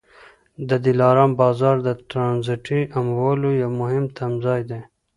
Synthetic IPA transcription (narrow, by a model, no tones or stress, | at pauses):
d̪əd̪ilɑːɾɑːmbɑːzɑɾd̪əʈɾɑnziʈiamwolojawmʊɦɪmt̪ʰamzɑjd̪e